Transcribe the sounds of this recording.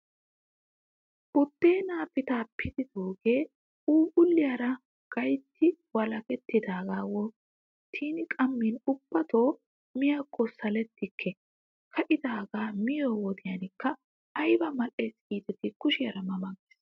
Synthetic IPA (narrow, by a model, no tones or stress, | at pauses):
bʊt̪ːeːnaːpɪt̪aːpʰːɪd̪ɪd̪oːɡe̞ː | uːbʊlːɪjaɾɐ | ɡ̥ɐjt̪ːɪwɐlɐkɛt̪ːɪd̪aːɡaːwɔ | t̪ʰiːnɪkʼɐmːinʊb̥ːɐt̪oː | mɪjaːkʼʰːɔsɐlɛt̪ːɪkʰːɛ | kʰɐʔɪd̪aːɡaːmɪjoːwɔd̪ɪjanɪkːɐː | jbɐmɐleːsiːt̪ɛt̪ɪkʊʃɪjɐɾɐmɐmɐɡeːs